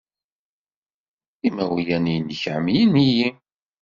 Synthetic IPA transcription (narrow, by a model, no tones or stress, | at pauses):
imæwijænijnəçʕəmjəniji